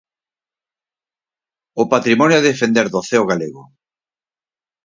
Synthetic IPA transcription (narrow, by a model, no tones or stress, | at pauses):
opat̪ɾimɔnjoaðefend̪eɾðoθeoɣaleɣʊ